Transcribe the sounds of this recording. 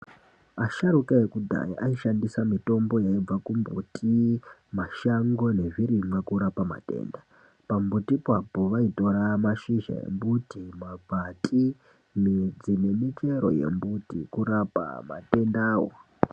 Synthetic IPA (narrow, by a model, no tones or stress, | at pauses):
aʃaɾukaekud̪ʱa̰jḭʔaiʃandisamito̞mbo̞jaib͡vakumbṵtʰimaʃaŋɡo̞ne̞ʐiɾimwakuɾapama̰te̞̰ːnda | pambutipapoʋaito̞ɾamaʃiʒa̰jḛmbutimab͡vʱatʰʼi | nid͡zinemit͡ʃe̞ɾo̞̰je̞̰mbutḭkuɾapa̰ma̰te̞ndaːwo̰